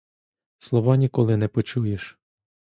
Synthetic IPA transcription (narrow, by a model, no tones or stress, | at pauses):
slˠɔʋɑnʲikɔlˠɪnɛpɔt͡ʃujeʃ